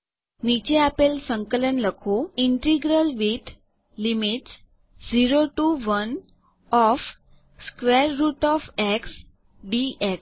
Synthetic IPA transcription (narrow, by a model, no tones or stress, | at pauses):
nit͡ɕeapelsəŋkələnləkʰoiɳʈɾiɡɾəlʋiʈ | limiʈs | d͡ziɾoʈuːʋən | ɔf | skʋɛɾːuːʈɔfɛks | ɖiʔɛks